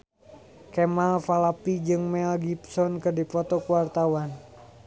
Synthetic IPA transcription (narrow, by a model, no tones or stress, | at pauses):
kɛmalfalapid͡ʒɨŋmɛlɡipsɔnkɨrdipɔt̪ɔkuwart̪awan